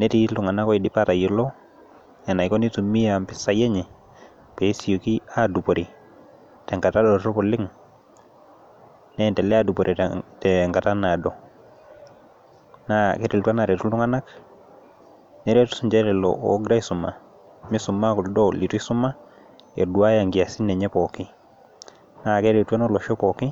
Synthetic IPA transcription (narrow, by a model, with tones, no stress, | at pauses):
nɛ˦ti˦lu˨ŋa˨na˦kɔ˦i˨di˦pa˦ta˨jo˨lɔ˦ | ɛ˨na˨i˨ko˦ni˦tu˨mi˦ja˨mpɪ˦sa˦jɛ˦ɲɛ˨ | pɛ˨˦si˨jo˨ki˦a˨du˨po˨ɾi˨ | tɛ˨ŋka˨ta˦dɔ˨tɔ˦pɔ˨lɪ˦ŋ | nɛ˨ntɛ˨lɛ˦adu˨poɾʔi˨tɛŋɡa˨ta˦na˨dɔ˨ | na˦kɛ˦ti˨ltwa˦na˨ɾɛ˨tu˦lu˦ŋa˦na˦k | nɛ˦ɾɛ˦tu̥˦su˨ɲd͡ʒɛ˦ɾɛ˨lɔ̰˨ʔɔ˦ɡɾa˦i˦su˨ma̰˨ | mi˦su˨ma˦ku˨ldɔ˦li˨tu˦i˦su˦ma˦ | ḛ˨du˨a˦ja˨ŋɡi˨a˨si˦nɛ˨ɲɛ˦pɔ˨ki˦ | na˦ke˦ɾe˨twa˦nɔ˦lɔ˨ʃɔ˦pɔ˨ki˦